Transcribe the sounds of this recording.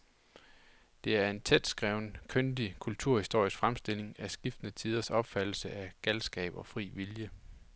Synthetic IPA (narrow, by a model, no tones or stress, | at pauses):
d̥e̝æɐe̝nt͡sʰed̥sɡ̥ʁɛʊ̰nəkʰønd̥ikʰult͡sʰuɐ̰hisd̥o̝ɐ̰isɡ̥fʁamsd̥e̝l̰e̝ŋæsɡ̥ifd̥ənət͡sʰið̞ˠɐsɒ̽b̥fæd̥l̩səæɡ̥ælsɡ̥ɛ̰ːb̥ɒ̽fʁḭːʋiljə